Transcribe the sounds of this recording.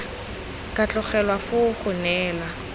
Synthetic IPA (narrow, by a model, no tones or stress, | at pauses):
kʼat͡ɬʊχɛlwafʊχʊnɛːla